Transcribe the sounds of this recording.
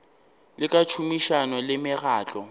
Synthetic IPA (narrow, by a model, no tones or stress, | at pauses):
lɪkʼat͡ʃʰumiʃanɔlɪmɪɣaːt͡ɬʼɔ